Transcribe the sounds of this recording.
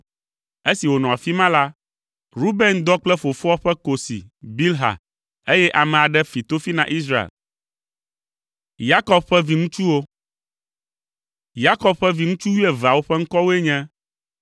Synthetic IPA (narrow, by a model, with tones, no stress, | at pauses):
e˦si˨wo˨nɔ̃˨a˨fi˦mã˦la˦ | ɾu˦be˦nd̪ɔ˦k͡plɛ˦fo˨fɔ˦ɔ˦ɸɛ˦ko˨sḭ˨bi˦lɦa̰˨ | e˦jɛ˦ʔa˨mɛ̃˨a˨ɖɛ˦fi˨t̪o˦fi˦nã˦ʔi˦s̬ɾa˦ḛ˨l | ja˦kɔ˨b̚ɸɛ˦vi˨ŋũ˦t͡ʃu˦wo˦ | ja˦kɔ˨b̚ɸɛ˦vi˨ŋũ˦t͡ʃu˦wi˦ɛ˨va˨wo˦ɸɛ˦ŋ̩˦kɔ˦wo˦e˦ɲɛ̃˦